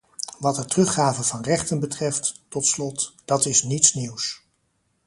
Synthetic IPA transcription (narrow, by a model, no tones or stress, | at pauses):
ʋɑtətrɵχaːvəvɑnrɛχtənbətrɛftːɔtslɔtd̥ɑtɪsnitsniws